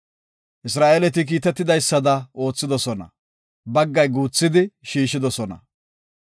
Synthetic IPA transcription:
ʔɪs̬ɾaːʔelɛt̪̬ɪk̬iːt̪ɛt̪ːɪd̪ɐjsːɐd̪ɐo̞ːt͡sːɪd̪ɔsɔnɐ̰ | bɐɡːɐjɡuːt͡sːɪd̪ɪʃiːʃɪd̪ɔsɔnɐ̰

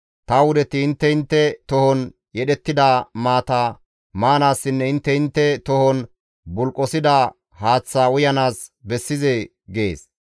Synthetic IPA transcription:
t̪ɐwʊd̪ɛt̪ɪɪnt̪ːɛɪnt̪ːɛt̪ɔhɔn | jɛɗɛt̪ːɪd̪amaːt̪a | maːnaːsːɪnːɛɪnt̪ːɛɪnt̪ːɛt̪ɔhɔn | bʊlkʼːɔsɪd̪a | haːt͡sːaːʊjɐnaːsbɛsːɪze | ɡḛːs

